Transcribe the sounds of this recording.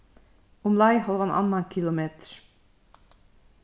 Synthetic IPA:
ʊmlɑɪhɑlʋɑnʔɑ̰nːɑnkʰɪlʊmeːt̪ə̥ɾ

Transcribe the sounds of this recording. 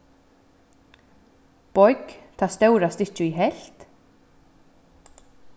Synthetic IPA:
pɔʏkt̪ʰaːst̪œwɾast̪ɪht͡ɕʏiɦɛl̥t̪

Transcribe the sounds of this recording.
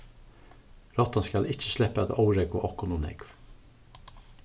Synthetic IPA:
ɾɔt̪ɑnskɑlɪc͡çə̥ʃlɛpəæt̪ɔʊɹɛɡʊ̰ʔɔkʊnʊːnɛ̰ɡ̥ʋ

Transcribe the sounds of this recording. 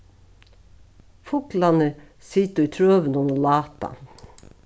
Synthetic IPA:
fʊklɑnə | sit̪əiːt̪ʰɾøːʋənɔnoːlɑːt̪ɑ̰

